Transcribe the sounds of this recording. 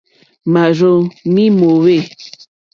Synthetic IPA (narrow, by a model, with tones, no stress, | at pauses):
ma˨ɾo˦mĩ˦mo˨we˦˨